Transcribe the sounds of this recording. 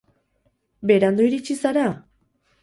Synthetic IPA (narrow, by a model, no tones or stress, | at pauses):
beɾand̪oiɾit͡ɕisaɾa